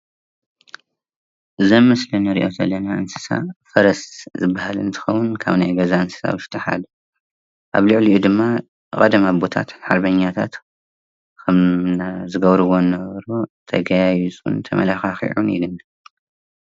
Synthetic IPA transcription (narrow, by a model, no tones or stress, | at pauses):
ʔɨzɐmːɨslɨnɐɾḭʔo̞zɐ̰lːɐnaɨnsɨ̥sa̰fɐɾɐszɨbːahalɨ̰nt̪ʰɨ̥xɐwʊnkʰa̰βnajɡɐzaɨnsɨ̥sa̰wɨʃt̪ʰɐħa̰d̪u | ʔa̰βlɨʕliud̪ɨmːa | kʼɐd̪ɐmabo̞t̪ʰa̰t̪ħaɾbɐɲːat̪ʰa̰t̪ | kʰɐmnazɨɡɐβɾɨβo̞nɐβɾot̪ʰɐ̰ɡajajut͡sʼṵnt̪ʰɐ̰mʔɐ̰laxaxḭʕunḭlɨn